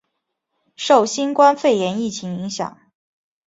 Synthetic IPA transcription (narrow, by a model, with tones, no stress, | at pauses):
ʂo˥˩ʊɕi˥nkwa˥nfe˥˩ɪjɛ˧˥ni˥˩t͡ɕʰi˧˥ŋi˧˥ŋɕjɑ̰˨˩˦ŋ